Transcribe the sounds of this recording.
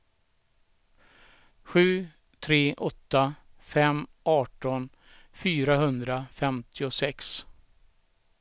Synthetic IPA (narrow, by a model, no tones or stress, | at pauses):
ɧʉ̟ː | t̪ʰɾeːʔɔt̪ːafɛmʔɑːʈɔn | fyːɾaɦɵnd̪ɾafɛmt̪ʰɪʊsɛks